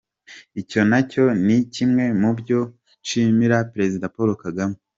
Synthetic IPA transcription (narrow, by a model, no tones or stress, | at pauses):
ico̞naco̞nicimŋe̞mubɟo̞ | t͡ʃimiɾapɾe̞zidapoɾokaɡame